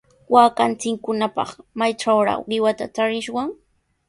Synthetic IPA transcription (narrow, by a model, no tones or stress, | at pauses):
waːkant͡sɪŋkʊnapɑ̰χmajʈ͡ʂawɾa̰wɢɪwat̪a̰t͡ʃaɾɪʃwaŋ